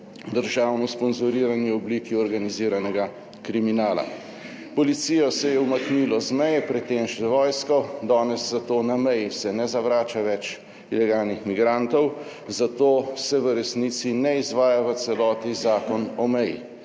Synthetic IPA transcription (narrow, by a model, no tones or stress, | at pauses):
d̪əɾʒaːwnɔspɔnzɔɾiːɾaniɔbliːkiɔɾɡaniziːɾanɛɡa | kɾiminaːla̰ | pɔlit̪sijɔsɛjɛumaknilɔzmɛjɛpɾɛt̪ːeːmʃɛʋɔːjskɔd̪ɔːnɛszat̪oːnamɛjisɛnɛzaʋɾaːt͡ʃaʋɛt͡ʃ | ilɛɡaːlnixmiɡɾant̪ɔw | zat̪oːsɛʋəɾɛsniːt̪sinɛizʋaːjaʋət̪sɛlɔːt̪izaːkɔnɔmɛjḭ